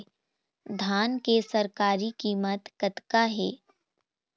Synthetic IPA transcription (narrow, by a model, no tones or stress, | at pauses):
d̪ʱaːnkesɐɾkaːɾikiːmət̪kət̪kaɦɛː